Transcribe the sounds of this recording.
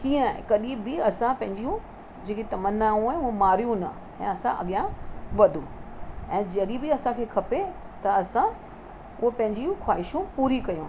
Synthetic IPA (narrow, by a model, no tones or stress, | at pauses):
kiːə̃a̰kɐɗĩbɪɐsãpɐ̃ɦɪ̃ɲd͡ʑijũ | d͡ʑeːkit̪ɐmənaːũaːeʊɦũmaːɾijũnɐ | ɛ̰̃ːɐsãʔɐ̰ɠjãʋɐd̪ʱũɛ̃ːd͡ʑɐɗibɪɐsãkʰeːkʰɐpe | t̪ɐɐsã | ʊɦopɐ̃ɦɪ̃ɲd͡ʑijũxwaːɪʃũpuːɾikɐjũː